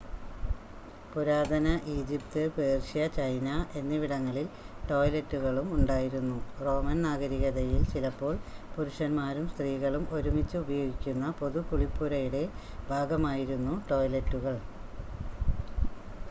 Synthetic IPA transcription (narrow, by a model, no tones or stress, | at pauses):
puɾaːd̪ɐnɐʔiːd͡ʑipt̪ɨpeːrʂijɐt͡ɕɐjnɐʔe̞nːiʋiɽɐŋːɐɭil | ʈo̞ːjletːuɣɐɭumuɳɖaːjiɾunːuro̞ːmɐnnaːɣɐɾiɣɐðɐjilt͡ɕilɐpːo̞ːɭpuɾuʂɐnmaːɾumst̪riːɣɐɭumo̞ɾumit͡ɕːɨubɐjo̞ːɡikʲːunːɐpo̞ðupuɭipːuɾɐjuɽe̞ | bʱaːɡɐmaːjiɾunːuʈo̞ːjletːuɣɐɭ